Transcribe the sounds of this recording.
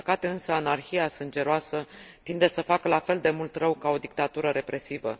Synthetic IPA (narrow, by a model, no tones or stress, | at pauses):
kat̪eɨnsəanarçiasɨnd͡ʒe̞ɾoasət̪ind̪e̞səfakəlafe̞ld̪e̞mult̪rəwkao̞d̪ik̚t̪at̪uɾəɾe̞pɾe̞sivə̰